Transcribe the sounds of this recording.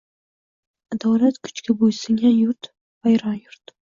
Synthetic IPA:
ad̪awlat̪kʰʊ̥t͡ʃkʲabojsɪŋʲanjʊɾt̪ | vajɾɑnjʊɾt̪

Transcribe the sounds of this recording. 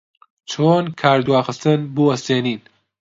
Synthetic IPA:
t͡ʃʰoːnkʰaːɾd̪waːxɨst̪ɨnbuːɐst̪eːniːn

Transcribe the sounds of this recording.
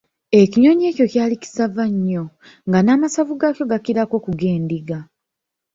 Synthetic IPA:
e̞ciɲo̞ɲe̞ːco̞caːlici̥savaɲːo̞ | ŋɡanaːmasavuɡacjo̞ɡakiɾako̞ːkuɡe̞ːndiɡa

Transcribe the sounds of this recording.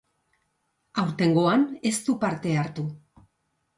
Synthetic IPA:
awɾt̪e̞ŋɡo̞ane̞st̪upaɾt̪e̞aɾt̪u

